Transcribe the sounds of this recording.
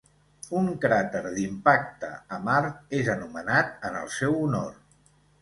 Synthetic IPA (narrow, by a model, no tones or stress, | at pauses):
uŋkɾat̪əɾðimpak̚t̪ə̰əmaɾt̪̚ezənumənat̪̚ənə̰lˠsɛwuno̰r